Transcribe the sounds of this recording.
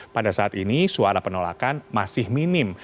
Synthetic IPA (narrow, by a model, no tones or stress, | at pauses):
padasaʔat̪inisuaɾapənola̰kanmasɪhminɪm